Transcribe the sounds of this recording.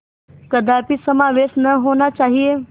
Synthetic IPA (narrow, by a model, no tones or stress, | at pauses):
kɐd̪aːpisɐmaːʋeːʃnɐɦoːnat͡ʃaːɦie